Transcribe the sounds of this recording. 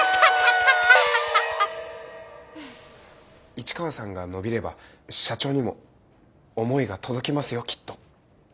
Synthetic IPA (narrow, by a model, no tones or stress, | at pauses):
it͡ɕi̥kaβasãŋɡano̞bʲiɾe̞ba̰ | ɕat͡ɕo̞ːɲ̟imo̞̰ː | mo̞iɡat̪ʰo̞d̪o̞kʲimasɨjo̞kʲʰi̥t̪ːo̞̥